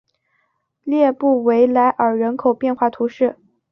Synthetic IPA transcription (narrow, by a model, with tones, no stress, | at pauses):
ljɛ˥˧pu˥˩we˧˥ɪla˧˥ɪʔə˞˨˩ɻə˧˥nkʰo˨˩ʊpjɛ˥˧nxwa˥˩t̪ʰu˧˥ʂɻ̩˥˩